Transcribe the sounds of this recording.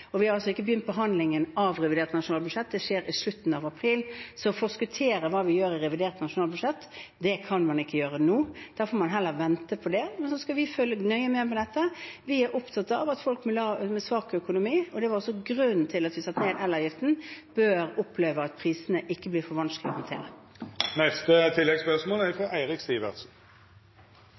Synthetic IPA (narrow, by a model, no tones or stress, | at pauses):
ɔʋɪhɑɾɑlsɔɪkːəbəjʏnt̪̚pɔɦɑnd̪lɪŋənɑʋʁɛʋɪd̪eːʁt̪nɑʂʊnɑːlbʉd̪ʂɛt̪̚d̪ɛʂeːɾɪslʉt̪ːn̩ɑʋɑpʰɾiːlsɔfɔskʉt̪ʰeːɾəʋɑːʋɪjøːɾɪɾɛʋɪd̪eːʁt̪nɑʂʊnɑːlbʉʂɛt̪ːd̪ɛkʰɑnmɑnɪkːəjøːɾənuːd̪̥æɾfɔɾmɑnɦɛlːəɾʋɛnt̪əpʰɔd̪ɛmɛnsɔskɑʋɪføːlːənœʏəmɛːmɔnɛt̪ːəʋɪæɾʊpt̪ʰɑt̪ːəɑʋɑt̪fɔlkmɪlɑmɛsʋɑːkœkʊnʊmiːɔd̪ɛʋɑɾɔsːɔɡɾʉn̩t̪ʰɪlɑt̪ʋɪsɑt̪ːneːd̪ɛlːəjɪft̪n̩b̥øːɾʊpʰːleːʋəɑt̪̚pʰʁiːsənəʔɪkːəblɪːɾfɔʋɑnsklɪɔhɑnt̪ʰḛːɾə | nɛst̪ət̪ʰɪlːɛɡspœʁsmoːlæɾfɔæɪʁɪkst̪iːʋə̰ʁt̪sn̩